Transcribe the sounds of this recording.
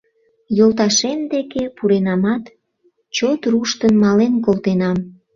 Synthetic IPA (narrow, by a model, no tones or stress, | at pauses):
jolt̪̬ɑʃemd̪ekepuɾenɑmɑt̪ | t͡ɕot̪ruʃt̪ənmɑlenkolt̪enɑm